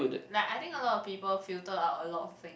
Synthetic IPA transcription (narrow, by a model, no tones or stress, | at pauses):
ɪdlaɪkaɪt̪ɪ̃ŋkəlɔtɔfpiːpəlfiltəatəlɔtɔft̪ɪ̃ŋ